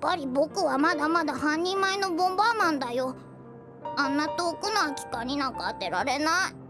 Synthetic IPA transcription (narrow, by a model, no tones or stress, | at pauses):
pːaɾʲibo̞kɯ̟βamad̪amad̪ahãɲ̟ːĩmmaeno̞bõ̞mbanãnd̪ajo̞ | ãnːat̪o̞ːkɯ̟noakʲi̥kaɲ̟inãŋkaːt̪e̞ɾaɾe̞nai